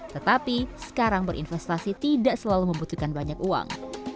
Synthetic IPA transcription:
t̪ət̪apisə̥kaɾaŋbəɾʔḭnfɛst̪asit̪idaʔsəlaluməmbut̪ukanbaɲakua̰ŋ

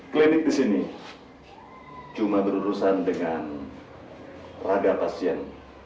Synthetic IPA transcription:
klinɪk̚disini | t͡ʃumabəɾuɾusandəŋan | radapasiɛn

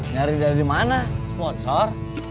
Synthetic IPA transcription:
ŋaɾidadimanaspɔnsɔr

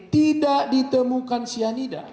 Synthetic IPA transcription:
t̪idaʔdit̪əmukansianida̰

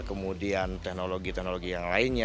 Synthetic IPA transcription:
kəmudiant̪ɛknoloɡit̪ɛhnoloɡijaŋlaɪnɲa

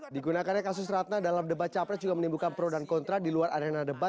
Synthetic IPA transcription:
diɡunakanɲakas̬ʊsrat̪̚nadalamdəbat̪̚t͡ʃapɾɛd͡ʒuɡamənimbukanpɾodankɔnt̪ɾadiluarʔaɾenadəbat̪̚

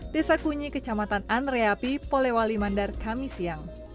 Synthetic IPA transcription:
desakuɲikət͡ʃamat̪ananreapipolewalimandarkamisiaŋ

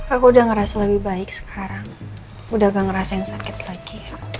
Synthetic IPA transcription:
kalkuudahŋəɾasaləbɪhbaɪksə̥kʰaɾaŋ | udahɡaŋəɾasajaŋsakɪt̪laɡi

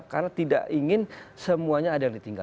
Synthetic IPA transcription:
karnat̪ida̰ʔiŋɪnsəmuaɲaːdajaŋdit̪iŋɡa̰

